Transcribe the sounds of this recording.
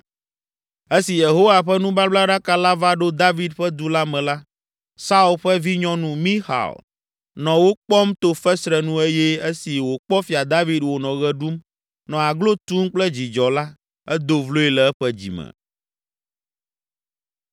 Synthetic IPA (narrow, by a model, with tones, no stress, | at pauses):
e˦si˨je˨ɦo˦wa˨ɸɛ˦nũ˦ba˦bla˦ɖa˦ka˦la˦va˦ɖo˦d̪a˦vi˦d̪ɸɛ˦d̪u˦la˦mɛ̃˨la˦ | sa˦u˦˨lɸɛ˦vi˦ɲɔ̃˦nũ˦mĩ˦xa̰˨l | nɔ̃˨wo˦k͡pɔ˦mt̪o˦fɛ˦sɾɛ˨nũ˦e˦jɛ˦e˦si˨wo˨k͡pɔ˦fi˨a˨d̪a˦vi˦d̪wo˨nɔ̃˨ɣɛ˦ɖu˦m | nɔ̃˨a˨ɡlo˦t̪u˦mk͡plɛ˦d͡ʑi˨d͡ʒɔ˨la˦ | ɛ˦d̪o˨vlo˦e˨lɛ˨ɛ˦ɸɛ˦d͡ʑḭ˨mɛ̰˨